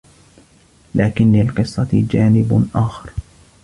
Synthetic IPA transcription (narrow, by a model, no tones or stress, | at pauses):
laːkɪnlɪlqɨsˤːɑd͡ʒaːnɪbʔaːxɑɾˤ